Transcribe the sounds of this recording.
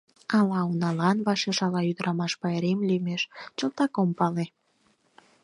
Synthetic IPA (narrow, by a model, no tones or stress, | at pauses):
ɑlɑunɑlɑnβɑʃeʃɑlɑyd̪əɾɑmɑʃpɑeɾemlymeʃt͡ɕəlt̪ɑkompɑle